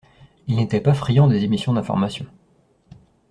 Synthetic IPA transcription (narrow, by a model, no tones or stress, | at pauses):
ilnet̪ɛpafχijɑ̃d̪ezemisjɔ̃d̪ɛ̃fɔ̰ʁmasjɔ̃